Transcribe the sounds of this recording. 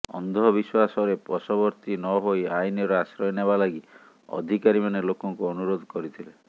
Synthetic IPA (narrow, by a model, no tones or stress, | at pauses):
ɔ̰nd̪ʱɔbiswasɔɾepɾɔsɔbɔɾt̪inɔɦojajniɔɾeasɾɔjneβalaɡi | ɔ̰d̪ʱikaɾimanelokɔŋkuɔnuɾod̪ʱɔkɔɾit̪ʰile